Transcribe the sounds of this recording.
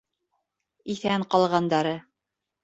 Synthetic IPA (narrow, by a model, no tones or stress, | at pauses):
iθæɴqɑlˠʁɑnd̪ɑɾɤ